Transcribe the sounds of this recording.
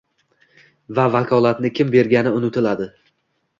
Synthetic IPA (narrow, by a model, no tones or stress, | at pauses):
vavakʰɒlˠat̪nɪkʲʰɪmbe̞ɾɡʲanɪʊnɪt̪ʰɪlad̪ɪ